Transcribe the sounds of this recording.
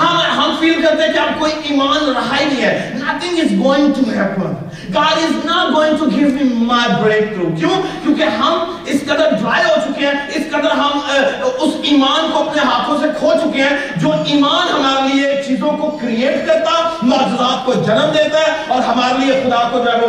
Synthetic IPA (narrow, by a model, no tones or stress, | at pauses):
hãɦɐmfiːlkɐɾt̪ẽɦɛ̃kiaːb̚koːiʔiːmaːnɾɐɦainɐ̃ɦĩɦɛːnɐt̪ɪ̃ŋɡɪsɡoːɪ̃ŋɡʈumɦɛpə̃n | ɡaːɾɪznaʈɡoːɪ̃ŋɡʈuɡɪʋmimaɪbɾeːk̚t̪ɾuːkjõːkjõːkeɦɐm | ɪskɐd̪əɾɖɾaːeɦot͡ʃʊkeɦɛ̃ɪskɐd̪əɾɦɐmʊsiːmaːnkoɐpneɦaːt̪ʰõsekʰot͡ʃʊkeɦɛ̃ | d͡ʒoːʔiːmaːnɦɐmaːɾeliet͡ʃiːzõkokɾieːʈkɐɾt̪aɦɛmɐːd͡ʒʊdaːt̪̚kod͡ʒɐnəmd̪eːt̪aɦɛɔːɾɦɐmaːɾeliexʊd̪aːkod͡ʒaɾe